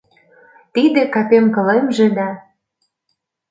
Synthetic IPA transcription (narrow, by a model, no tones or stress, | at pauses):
t̪id̪ĕkɑpemkɤ̆lemʒĕd̪ɑ